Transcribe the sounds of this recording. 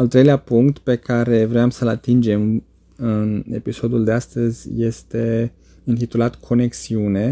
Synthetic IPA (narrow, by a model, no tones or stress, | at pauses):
alt̪ɾejleapuŋkt̪pe̞kʰaɾe̞vɾeamsəlat̪ind͡ʒe̞m | ɨne̞̰piso̞d̪uld̪east̪əzʲje̞st̪e̞ | ɨnt̪it̪ulat̪kʰo̞ne̞ksiune̞